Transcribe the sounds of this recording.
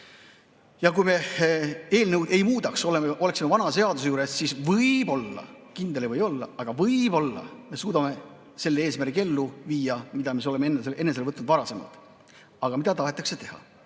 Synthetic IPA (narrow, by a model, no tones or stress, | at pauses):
jɑkujme̞ | e̞ːlnɤwd̪e̞jmuːd̪ɑkso̞lemeʔo̞le̞ksimevɑnɑse̞ɑd̪us̬ejuːɾe̞sːisvɯjb̥o̞lːɑ̰ | kind̪̥e̞livɤjo̞lːɑ̰ɑɡ̥ɑvɤjbo̞lːɑ̰me̞suːd̪ɑme̞ | se̞lːee̞ːsmærke̞lːuviːjɑmid̪̥ɑmis̬o̞le̞mee̞nːeselʔe̞nːese̞lvɤt̪nud̪vɑɾɑse̞mɑ̰lt̪ˑ | ɑɡ̥ɑmid̪ɑt̪ɑɦe̞t̪ːˑɑkse̞t̪e̞hɑ̰